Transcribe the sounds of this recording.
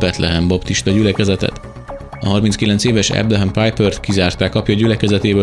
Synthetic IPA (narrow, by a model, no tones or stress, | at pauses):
bɛt̪lɛɦɛmbopt̪iʃt̪ɒɟylɛkɛzɛt̪ɛ̰t̪ | ɒɦɒrminskilɛnseːvɛʃɛ̰bd̪ɛɦɛmpaːjpørt̪kizaːrt̪aːkɒpjɒɟylɛkɛzɛt̪eːbø